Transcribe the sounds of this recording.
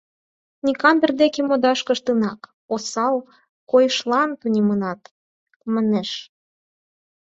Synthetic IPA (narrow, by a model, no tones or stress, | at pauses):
nʲikɑnb̪ə̆rd̪ekemod̪ɑʃkə̆ʃt̪ənɑk | osɑl | kojʃlɑnt̪unʲemənɑt̪ | məneʃ